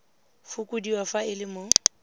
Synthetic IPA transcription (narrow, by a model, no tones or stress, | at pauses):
fʊkʼʊdiwɔfaɪlɪmʊ